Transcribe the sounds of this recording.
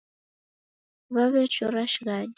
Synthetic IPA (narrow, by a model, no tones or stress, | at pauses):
βaβɛt͡ʃoɾaʃɣad